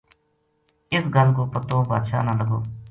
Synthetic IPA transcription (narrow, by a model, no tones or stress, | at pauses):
ɪsɡəlkoːpət̪õːbaːd̪ʃaːnãːləɡo̰ː